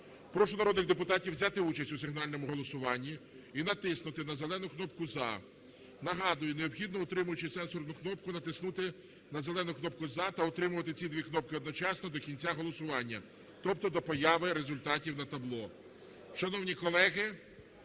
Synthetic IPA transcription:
pɾɔʃʊnɐɾɔd̪nɪɣd̪epʊt̪ɑtʲiwzʲat̪ɪut͡ʃɐsʲtʲʊsɪɦnɑlʲnɔmʊɦɔlˠɔsʊʋɑnʲːi | inɐt̪ɪsnʊt̪ɪnɐzelˠɛnʊknɔpkʊzɑ̰ | nɐɦɑd̪ʊjʊneɔbxʲid̪nɔɔt̪ɾɪmʊjʊt͡ʃɪsɛnsɔrnʊknɔp̚kʊnɐt̪ɪsnut̪ɪ | nɐzelˠɛnʊknɔp̚kʊzɑt̪ɐɔt̪ɾɪmʊʋɐt̪ɪt͡sʲid̪ʲʋʲiknɔp̚kɪɔd̪nɔt͡ʃɑsnɔd̪ɔkʲinʲt͡sʲaɦɔlˠɔsʊʋɑnʲːɐ | t̪ɔpt̪ɔd̪ɔpɔjɑʋɪɾezʊlʲt̪ɑtʲiwnɐt̪ɐblˠɔ | ʃɐnɔwnʲikɔlˠɛɦɪ

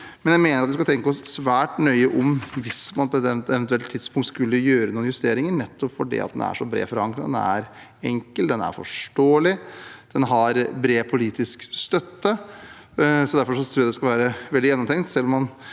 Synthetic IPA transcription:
mɛnjæɪmeːnəɾɑt̪ʋɪskɑɛŋkəɔssʋæːʈnœʏəʔɔmʋɪsmɑnpʰɔɛt̪ːɛt̪ɛʋɛnt̪ʉɛlt̪t̪ʰɪd̪spʰʊŋkt̪skʉlːəjøːɾənuːnjʉst̪eːɾɪŋəɳɛt̪ːɔpfɔɖḭɑ̰t̪̚d̪ɛ̰næ̰ʂɔbɾḛːfɔɾɑŋkɾɑd̪ɛ̰næ̰ɾ | ɛŋkəld̪ɛnæ̰ɾfɔ̰ʂʈoːəlɪd̪̥ɛnɦɑɾbɾeːpʰʊliːt̪ɪskst̪œt̪ːə | sɔd̪æɾfɔʂɔt̪ʰɾuːæd̪ɛskɑlʋæːɾəʋɛld̪ɪjɛnːɔmt̪ʰɛŋt̪sɛlːɔmːɑn

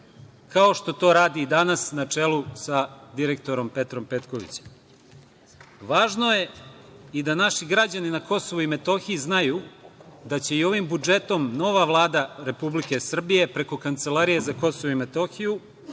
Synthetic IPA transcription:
kao̞ʃt̪o̞t̪o̞ːɾaːd̪iːd̪anasnat͡ʂe̞lusad̪iɾe̞k̚t̪o̞ɾo̞mpe̞t̪ɾo̞mpe̞t̪ko̞ʋḭt͡ɕe̥m | ʋaːʒno̞je̞id̪anaʃiɡɾad͡ʑaninako̞so̞ʋuime̞t̪o̞xiiznajuːd̪at͡ɕe̞io̞ʋimbud͡ʒe̞t̪o̞mno̞ʋaʋlˠaːd̪aɾe̞publike̞sr̩bije̞pɾe̞ko̞kant̪selaɾije̞zako̞so̞ʋoime̞t̪o̞xiju

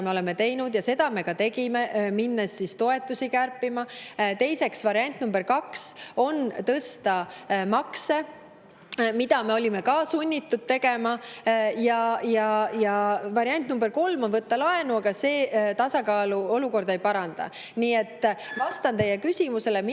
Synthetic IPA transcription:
me̞olɛme̞t̪e̞jnud̪̥jɑse̞d̪̥ɑme̞kɑt̪e̞ɡime̞minːesːist̪o̞e̞t̪ːˑusikærpːimɑt̪e̞jse̞ksvɑɾiɑnʲt̪ˑnumbe̞ɾkɑkso̞nt̪ɤst̪ɑmɑkse̞ | mid̪̥ɑme̞o̞lʲime̞kɑːsunʲːit̪ːud̪̥̚t̪e̞ɡ̥e̞mɑjɑjɑjɑvɑɾiɑnʲt̪numbe̞rko̞lmo̞nvɤt̪ːɑlɑe̞nuɑɡɑse̞ːt̪ɑsɑkɑːluo̞luko̞rd̪e̞jpɑɾɑnd̪̥ɑ̰ | niːe̞t̪ːˑvɑst̪ɑnt̪e̞jekysimuse̞lem

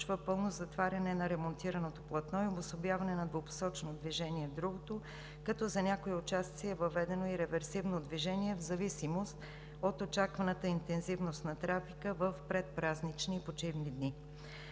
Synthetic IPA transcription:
t͡ʃvəpɤlˠnozɐt̪vaɾʲɐnɛnɐɾɛmont̪iɾɐnot̪oplˠɐt̪nɔiobosobjavɐnɛnɐd̪vopo̥sɔt͡ʃnod̪viʒɛniɛvd̪ɾuɡot̪o | kɐt̪ɔzɐnʲakoɛot͡ʃast̪siɛvɐvɛd̪ɛnoiɾɛvɛɾsivnod̪viʒɛniɛvzɐvisimost̪ | ot̪ot͡ʃakvɐnət̪əint̪ɛnzivnost̪nɐt̪ɾafikəvəfpɾɛt̪̚pɾaznit͡ʃniːpot͡ʃivnid̪ni

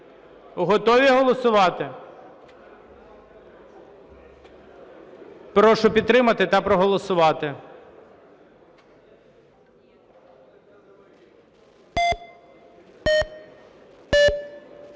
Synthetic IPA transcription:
uɦɔt̪ɔʋʲiɦɔlˠɔsʊʋɑt̪ɪ | pɾɔʃʊpʲid̪̚t̪ɾɪmɐt̪ɪt̪ɐpɾɔɦɔlˠɔsʊʋɑt̪ɪ

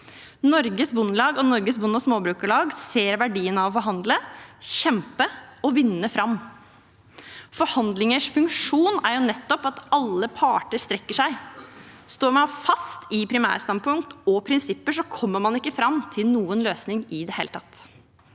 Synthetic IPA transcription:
nɔɾɡəsbʊnːlɑːɡɔnɔɾɡəsbʊnːɔsmoːbɾʉːkəɭɑːɡseːɾʋæɖiːənɑʋɔfɔɾɦɑnd̪ləçɛmpəɔʋɪnːəfɾɑmː | fɔɾhɑnd̪lɪŋəʂfʉŋkʂuːnæɾjʊnɛt̪ːɔpɑt̪ɑlːəpʰɑːʈəɾst̪ɾɛkːəʂæɪ | st̪oːɾmɑnfɑst̪ɪpʰɾɪmæ̰ːɾəst̪ɑnpʰʊŋkt̪ɔpʰɾɪnsɪpːəʂɔkʰɔmːəmɑnɪkːəfɾɑmt̪ʰɪlnuːənløːsnɪŋɪd̪ɛhḛːlət̪ɑt̪ː

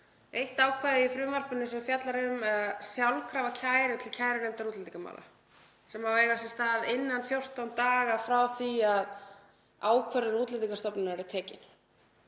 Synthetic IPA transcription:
ejht̪aːwkʰvaːjðɪifɾʏːmar̥pʏnːʏsɛmfjat̪laɾʏmsjawlkʰɾaːvacʰaːjɾʏt̪ʰɪlcʰaːjɾɪnejmt̪aɾut̪lt̪ikama̰ːwla̰ | sɛmhavejɣasɛst̪aːðɪnːanfjowr̥t̪awnt̪aːɣafɾawθiað | aːwkʰvœɾðɪɾuːt̪lɪt̪ikast̪ɔpnɪnaɛɾɪt̪ʰɛːcɪn̥

